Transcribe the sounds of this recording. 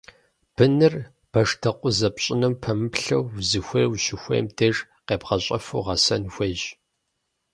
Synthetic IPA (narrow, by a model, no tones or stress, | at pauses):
b̥ɨnɨr | b̥ɐʂtʰɐqʷʼʊzɐpɕʼɪnɨmpʰɐmɨpɬɐwːzɨxʷeːwɕɪxʷḛːjmdʰer | qeːpʁɐɕʼɐfṵːʁɐsɐnxʷeːʒ